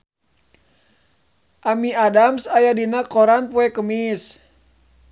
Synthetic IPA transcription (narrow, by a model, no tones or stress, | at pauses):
ʔamiadamsajadinakoɾanpuɛkəmis